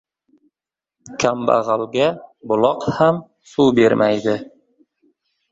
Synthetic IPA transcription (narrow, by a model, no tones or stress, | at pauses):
kʲʰamba̰ʁalɡʲabʊlˠɒqham | suwbeɾmʔajd̪ɪ